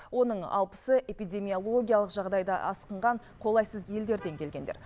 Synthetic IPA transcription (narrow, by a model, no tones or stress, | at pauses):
wo̞nəɴɑ̰lˠpə̥səʔe̞pijd̪ʲe̞mio̞lˠo̞ɡʲijalˠəqʒɑʁd̪ɑjd̪ɑ̰ʔɑ̰sqəɴʁɑɴ | qʰo̞lˠɑjsəzje̞ld̪e̞ɾd̪e̞ŋkʲʰe̞lɡʲe̞nd̪e̞̰ɾ